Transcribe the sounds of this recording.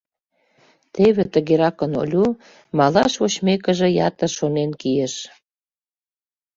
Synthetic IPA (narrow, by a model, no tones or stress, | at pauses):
t̪eβet̪ə̆ɣeɾɑkəno̰lʲu | mɑlɑʃoɕmekə̆ʒĕjɑ̰t̪ə̆rʃonenkijeʃ